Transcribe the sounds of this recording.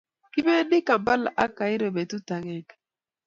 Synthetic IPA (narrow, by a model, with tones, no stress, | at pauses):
ki˦me˦nɪ˦ka˨mba˦lʔa˦ka˨ɪ˦ɾo˨be˨tu˦ta˨ŋɛ˦k